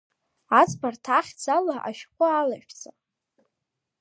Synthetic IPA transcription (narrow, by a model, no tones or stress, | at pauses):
at͡sʼbartʰaχʲd͡zʰalaʔa̰ʃqʷʼʊalaʃᶣt͡sʰʼa